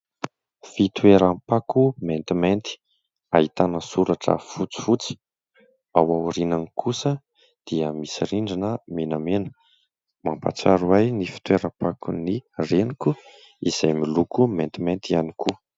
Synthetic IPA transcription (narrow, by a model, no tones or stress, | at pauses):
fit̪weɾampakument̪iment̪i̥ | aɦit̪anəsuɾaʈ͡ʂə̰fut͡si̥fut͡si̥ | awawuɾinanikʰusə | d̪̥iəmisiɾiɳɖ͡ʐinəmenamenə̥ | mampa̰t͡saɾuajnifi̥t̪weɾampakunireniku | iz̥ajmilukument̪iment̪ianiku